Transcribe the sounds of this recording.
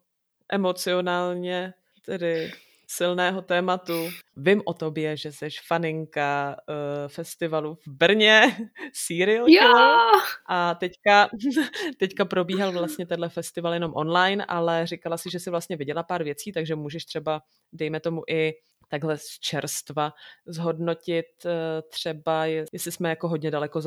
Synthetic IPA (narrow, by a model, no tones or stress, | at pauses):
ʔɛmo̞t͡sɪonaːlɲɛ | t̪ɛdɪ | sɪlnɛːɦo̞t̪ɛːmat̪uvɪmʔot̪o̞bjɛʒɛsɛʃfanɪŋka | fɛst̪ɪvaluvbr̩ɲɛsiːɾɪoɛoʔat̪ɛcka | t̪ɛckapɾo̞biːɦalvlast̪ɲɛt̪ɛdlɛfɛst̪ɪvaljɛno̞mʔo̞̰nlajnʔa̰lɛrɪkalasɪʒɛsɪvlast̪ɲɛvɪɟɛlapaːɾvjɛt͡siːt̪aɡʒɛmuːʒɛʃt̪r̝̥ɛba | dɛjmɛt̪o̞muʔɪ | t̪aɡɦlɛst͡ʃɛɾst̪vazɦo̞dno̞cɪt̪t̪r̝̥ɛbajɛjɛslɪsmɛjako̞ɦodɲɛdalɛkoz